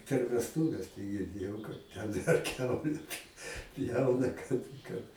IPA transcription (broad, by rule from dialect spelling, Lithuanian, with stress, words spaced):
pʲɛr ʋʲɛsˈtuːʋʲɛs tɐɪ ɡʲɪrʲˈdʲeːjɛʊ ˈtʲɛn ɐr ˈkʲɛʊlʲɛ pʲ ˈpʲjɛʊnɐ ˈkɐt ˈkɐt